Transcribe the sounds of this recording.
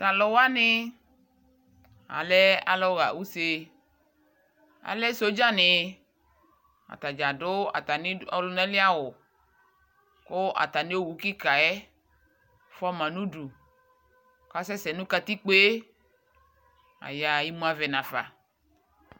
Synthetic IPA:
ta˨lɔ˨wa˦nɪ˦ | a̰˨lɛ˦a̰˨lɔ˦ɣa̰˨wu˦se˨ | a̰˨lɛ˦so˦d͡ʒa˦nɪ˨ | a̰˨t̪a˨d͡ʒa˨ɖʊ˦a̰˨t̪a˨nɪ˦ɔ˨˦lʊ˨˦nã˦lɪ˦a˦wʊ˨ | kʊ˦ʔa̰˨t̪a˨nẽ˦o˦˨wu˨˦ki˦ka˨ɛ˦ | fɔ˦mã˨nũ˦ɖu˨ | ka˦sɛ˦sɛ˨nũ˦ka˦t̪i˦k͡pe˦ | a̰˨ja˨ji˦mũ˦a˨vɛ˨nã˨fa̰˨

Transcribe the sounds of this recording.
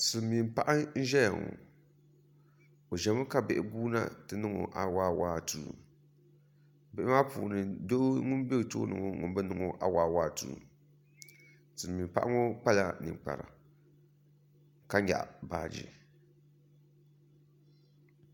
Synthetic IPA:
sɨ˨mːi˨mpa˦ʔa˦n̩˦ʒɛ˦ja̰˨ŋo̰˨ | o˨ʒɛ˨˦mɨ˦ka˦bɛ˨ʔɪ˨buː˦na̰˦tɨ˦nɨ˦ŋo̰˨ʔa˨waː˦waː˦tṵː˦˨ | bɛ˨ʔɪ˦maː˦puː˨nɨ˨do˦ŋʊ˦n˦be˦˨to˦nɨ˨ŋo˨ŋʊ˨m˦bɨ˦nɨ˨ŋo˨ʔa˨waː˦waː˦˨tṵː˨ | sɨ˨mːi˨mpa˦ʔa˦ŋo˦k͡pa˦la̰˦nɨ̰˨ŋ͡mk͡pa̰˨ɾa̰˨ | ka˦ɲa̰˨ʔbaː˨d͡ʒḭ˨

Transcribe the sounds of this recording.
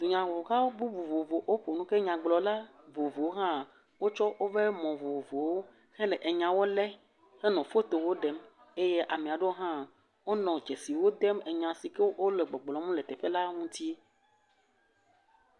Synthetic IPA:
d̪o˨ɲã˨wo˨ɣa˦wo˦bu˦vu˨vo˨vo˨ʔo˦ɸo˨nũ˦ke˦ɲã˨ɡ͡blɔ˨la˦ | vo˨vo˨wo˦ɦã˦˨ | wo˦t͡ʃɔ˦wo˦ve˦mɔ̃˨vo˨vo˨wo˦ | xɛ̃˦lɛ˨ʔe˨ɲã˨wo˦lɛ˦ | xe˦nɔ̃˨fo˦t̪o˨wo˦ɖɛ˦m | e˦je˦ʔa˨mẽ˨a˨ɖe˦o˦ɦã˦˨ | wo˦nɔ̃˨d͡ʒe˨si˨wo˦d̪ɛ˦me˨ɲã˨si˨ke˦wo˦le˨ɡ͡bɔ˨ɡ͡blɔ˨mũ˦le˨t̪ɛ˨ɸe˦la˦ŋũ˦t̪i˦

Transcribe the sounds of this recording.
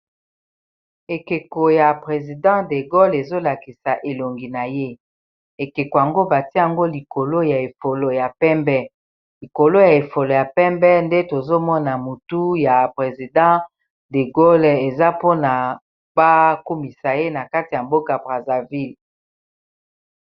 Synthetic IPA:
e˨ke˨ko˨ja˨pʁe˨zi˨dɑ̃˦de˨ɡo˦le˨zo˦la˨ki˨sa˨ʔe˨lo˨ŋɡi˨na˨je˦ | e˨ke˨ko˨ja˨ŋɡo˦ba˨ti˦ja˨ŋɡo˦li˨ko˨lo˦ja˨e˨fo˨lo˨ja˨pɛ˦mbɛ˦ | li˨ko˨lo˦ja˨e˨fo˨lo˨ja˨pɛ˦mbɛ˦nde˦to˨zo˦mɔ˦na˨mu˨tu˦ja˨pʁe˨zi˨dɑ̃˦ | de˨ɡo˦le˨za˦po˦na˨ | ba˦ko˦mi˨sa˨je˦na˨ka˦ti˨ja˨mbo˦ka˨bʁa˨za˨vi˦l

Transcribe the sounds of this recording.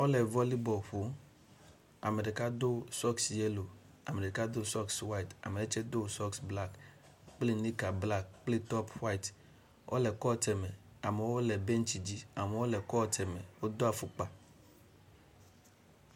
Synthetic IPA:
wo˦lɛ˨vɔ˦li˦bɔ˨ɸo˨˦ | a˨me˨ɖe˨ka˦d̪o˦sɔ˦ksje˦lo˨ | a˨me˨ɖe˨ka˦d̪o˦sɔ˦kswa˦i˨t̪a̰˨me˨de˦t͡ʃɛ˦d̪o˦sɔ˦ksbla˦k | k͡ple˦ni˦ka˨bla˦k̚k͡ple˦t̪ɔ˦pwa˦i˨t | ʔo̰˦lɛ˨kɔ˦˨t̪ɛ˨me˨ | a˨me˨wo˦lɛ˨be˦ŋ˦t͡ɕi˨d͡ʑi˦a˨me˨wo˦lɛ˨kɔ˦˨t̪ɛ˨me˨wo˦d̪o˦a˨fu˦k͡pa˨

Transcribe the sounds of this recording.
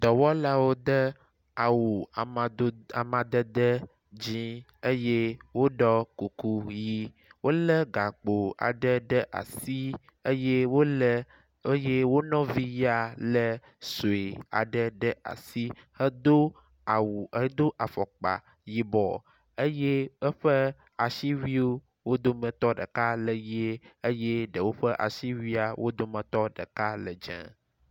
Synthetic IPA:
d̪ɔ˨wɔ˦la˦wo˦d̪ə˦ | a˨wu˨˦a˨mã˨d̪ə˦d̪ə˦ | d͡ʑi˦ | e˦je˦wo˦ɖɔ˦ku˨ku˦ji˦ | wo˦lə˦ɡa˨k͡po˨a̰˨ɖə˦ɖə˦ʔa̰˨si˦ | e˦je˦wo˦ | e˦je˦wo˦nɔ̃˦vi˦ja˨lə˦ | so˨e˨a̰˨ɖə˦ɖə˦ʔa̰˨si˦hə˦d̪o˦ | a˨wu˨˦d̪o˦ʔa˨fɔ˨k͡pa̰˨ | ji˦bɔ˨ | e˦je˦ə˦ɸə˦ | a˨ʃi˦wi˦o˦ | wo˦d̪o˦mə̃˨t̪ɔ˦ɖə̰˨ka˦lə˨je˦e˦je˦ɖə˨wo˦ɸə˦ʔa̰˨ʃi˦wi˦a˨wʔo˦d̪o˦mə̃˨t̪ɔ˦ɖə̰˨ka˦lə˨d͡ʒɛ̰̃˨

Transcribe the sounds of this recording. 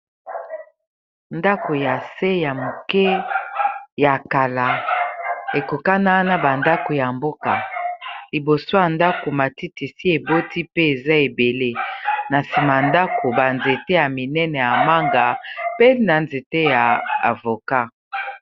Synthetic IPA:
nda˦ko˨ja˨se˦ja˨mo˨kɛ˦ | ja˨ka˨la˨ | e˨ko˨ka˦na˦na˦ba˨nda˦ko˨ja˨mbo˦ka˨li˨bo˨so˦ja˨nda˦ko˨ma˨ti˦ti˨si˦e˨bo˦ti˦pe˦e˨za˦e˨be˨le˦na˨si˨ma˨nda˦ko˨ba˨nze˨te˦ja˨mi˨nɛ˦nɛ˨ja˨ma˦ŋɡa˨pe˦na˨nze˨te˦ja˨a̰˨vo˨ka˦

